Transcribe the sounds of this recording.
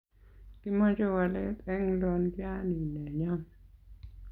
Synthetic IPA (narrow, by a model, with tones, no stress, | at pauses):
ki˦mɔ˦d͡ʒɔ˦wa˨lɛ̰˦t̪ɛ˦ŋlɔ˦nɡja˦ni˨nɛ˨ɲɔ˦